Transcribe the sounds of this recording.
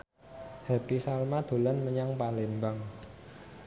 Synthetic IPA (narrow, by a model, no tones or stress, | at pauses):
hapisalmad̪̥o̤lanməɲaŋpalembaŋ